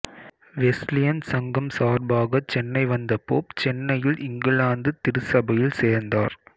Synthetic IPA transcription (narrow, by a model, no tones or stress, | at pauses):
ʋɛslɪjɐnsɐŋɡɐmsaːɾbaːɣɐt͡ʃɛnːɐɪʋɐnd̪ɐpːoːpt͡ʃɛnːɐjɪlʔɪŋɡɯɭaːnd̪ɯt̪ɪɾɯsɐbɐjɪlseːɾnd̪aːɾ